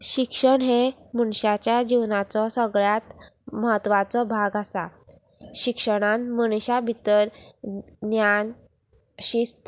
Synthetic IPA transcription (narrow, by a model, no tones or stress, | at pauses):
ɕikʂəɳɦemuɳɕat͡ɕjad͡ʑiwnat͡sɔsəɡɭjat̪məɦət̪ːʋat͡sɔbʱaɡasa | ɕikʂəɽ̃anməɽ̃ɕabʱit̪əɾ | njan | ɕist̪